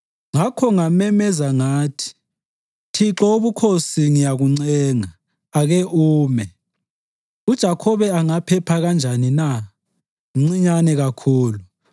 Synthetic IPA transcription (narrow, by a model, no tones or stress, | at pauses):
ŋakʰɔŋamɛmɛzaŋaːtʰi̥ | tʰiǁɔoβukʰosiŋijaɣuŋ͡ǀɛːŋaː | ɣeʔuːmɛ | ud̥ʒ̥ʱakʰɔβɛaŋapʰɛpʰaɣand͡ʒʱanina | ŋ͡ǀiɲanɛɣakʰuːlu